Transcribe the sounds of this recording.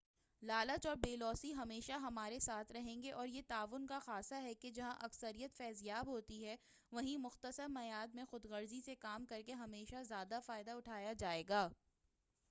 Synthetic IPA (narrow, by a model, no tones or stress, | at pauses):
laːlət͡ʃɔːɾbeːlɔːsiɦɐmeːʃaɦɐmaːɾesaːt̪ʰɾɐɦẽːŋɡeʔɔːɾjet̪aːʋʊnkaxaːsaɦɛked͡ʒɐɦãʔɐksəɾijət̪fɛːzijaːbɦoːt̪iɦɛ | ʋɐɦĩmʊxt̪əsəɾmɐjaːd̪mẽxʊd̪ɣɐɾzisekaːmkɐɾkeɦɐmeːʃazjaːd̪afaːɪd̪aʊʈʰaːjad͡ʒaːeːɡaː